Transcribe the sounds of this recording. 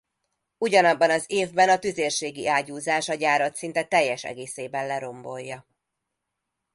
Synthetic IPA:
uɟɒnɒbːɒnɒzeːvbɛnɒt̪yzeːrʃeːɡiʔaːɟuːzaːʃɒɟaːɾɒt̪sin̪t̪ɛt̪ɛjːɛʃɛ̰ɡeːseːbɛnlɛɾo̞mbo̞jːɒ

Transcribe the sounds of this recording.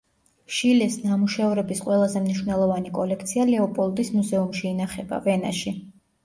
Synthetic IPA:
ʃilɛsnamuʃauɾɛbisqʼwɛlˠazɛmniʃvnɛlˠɔvanikʼɔlɛk̚ʰt̪sʰialɛɔpʼɔlˠd̪ismuzɛumʃiːnaχɛba̰vɛna̰ʃi

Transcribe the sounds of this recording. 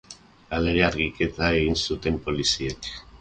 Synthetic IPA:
aleɣeaɾɣike̞t̪ae̞ɣinsut̪e̞mpo̞lisiek

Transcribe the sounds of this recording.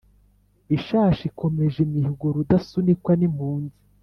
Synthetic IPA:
iʃaːʃikomeʒemihiɡoɾudasunikwanimhuːnzi

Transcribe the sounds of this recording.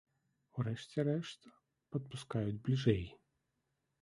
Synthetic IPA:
wrɛʂt͡sʲɛɾɛʂt̪ | pɐt̪̚puskajud͡zʲblʲiʐɛj

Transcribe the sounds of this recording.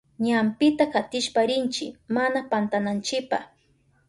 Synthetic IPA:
ɲampɪt̪akat̪ɪʃpaɾɪnt͡ʃɪmanapant̪anant͡ʃɪpa

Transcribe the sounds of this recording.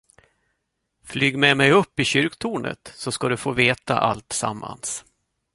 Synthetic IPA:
flyːɡmɛmɛjɵpːɪɕʏɾkt̪ʰuːɳə̰t̪sɔskad̪ɵfoːveːt̪a̰ʔalt̪sa̰mːa̰ns

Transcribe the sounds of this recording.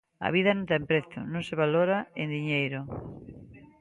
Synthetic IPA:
a̰β̞iðanõnt̪ɛmpɾeθʊ̰nõŋseβaloɾaend̪iɲejɾʊ

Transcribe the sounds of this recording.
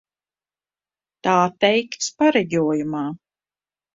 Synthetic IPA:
t̪aːt̪ɛjkt̪spaɾɛɟʲuɔjumaː

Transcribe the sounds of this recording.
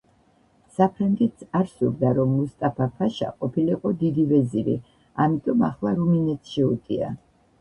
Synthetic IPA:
sapʰɾaŋɡɛt̪saɾsuɾd̪aɾɔmːust̪ʼapʰapʰaʃa̰qʼɔpʰiliqʼɔd̪id̪ivɛziɾḭ | amit̪ʼɔmaχlˠaɾuminɛt̪sʃɛut̪ʼia̰

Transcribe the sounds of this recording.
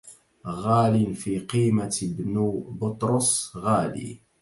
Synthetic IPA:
ɣaːlinfiqiːmabnbʊt̪ˤɾʊsˤɣaːlḭ

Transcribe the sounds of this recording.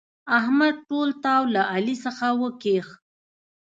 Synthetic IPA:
ahmad̪̚ʈolt̪awlaʔalisəxawəkex

